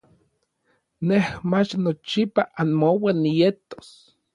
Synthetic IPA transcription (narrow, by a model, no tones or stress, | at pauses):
nehmat͡ʃnot͡ʃipaʔanmowenːijet̪o̥s